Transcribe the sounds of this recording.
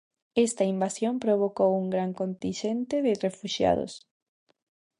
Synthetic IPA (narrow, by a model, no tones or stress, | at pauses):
est̪ɐimbasjõmpɾoβ̞okowuŋɡɾaŋkont̪ĩnʃent̪eðɪrefuʃja̰ðo̰s